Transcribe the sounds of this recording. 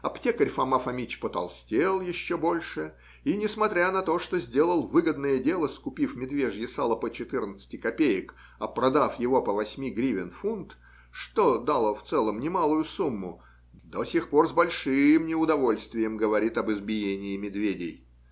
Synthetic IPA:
ɐptʲe̞kəɾʲfɐmafɐmʲit͡ɕpət̪ɐ̰lˠsʲtʲelˠjɪɕːobo̞lʲʂɨ | inʲɪsmɐt̪ɾʲanɐt̪o̞ʂt̪o̞zʲdʲe̞lˠəlˠvɨɡəd̪nəjədʲe̞lˠəskʊpʲifmʲɪd̪vʲeʐjɪsalˠəpət͡ɕɪt̪ɨrnət̪sɨ̥tʲɪkɐpʲejɪk | ɐpɾɐd̪afjɪvo̞pəvɐsʲmʲiɡɾʲivʲɪnfunt̪ | ʂt̪o̞d̪alˠəft̪sɛlˠəmnʲɪmalˠʊjʊsumːʊ | d̪osʲixpo̞rzbɐlʲʂɨjɪmnʲɪʊd̪ɐvo̞lʲst̪vʲɪjəmɡəvɐɾʲit̪ɐbɨzbʲɪjenʲɪːmʲɪd̪vʲedʲɪj

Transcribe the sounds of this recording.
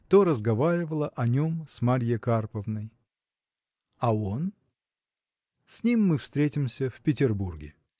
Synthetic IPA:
t̪oɾəzɡɐvaɾʲɪvəlˠəʔɐnʲo̞msmaɾʲjəkarpəvnəj | ɐo̞n | sʲnʲimːɨfst̪ɾʲetʲɪmsʲəfpʲɪtʲɪrburɡʲɪ̰

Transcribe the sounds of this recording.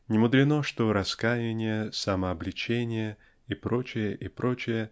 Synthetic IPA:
nʲɪmʊd̪ɾʲɪnoʂt̪oɾɐskajɪnʲɪjəsaməɐblʲɪt͡ɕenʲɪjə | ipɾo̞t͡ɕɪjəʔɪpɾʔot͡ɕɪjə

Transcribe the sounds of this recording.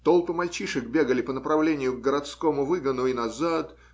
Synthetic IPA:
t̪o̞lˠpɨmɐlʲt͡ɕiʂɨk̚bʲe̞ɡəlʲɪpənəpɾɐvlʲenʲɪjʊɡɡəɾɐt̪sko̞mʊvɨɡənʊinɐzat̪

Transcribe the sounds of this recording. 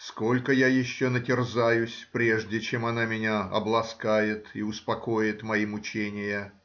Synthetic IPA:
sko̞lʲkəjajɪɕːonətʲɪrzajʊsʲpɾʲe̞ʐdʲɪt͡ɕemɐnamʲɪnʲaɐ̰blˠɐskajɪt̪iʊspɐko̞jɪt̪mɐimʊt͡ɕenʲɪjə

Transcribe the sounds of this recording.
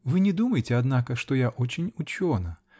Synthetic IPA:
vɨnʲɛd̪umɐjɪt͡sʲɛad̪nakɐʂt̪ɔjaʔɔt͡ɕʲinʲut͡ɕʲɔnɐ

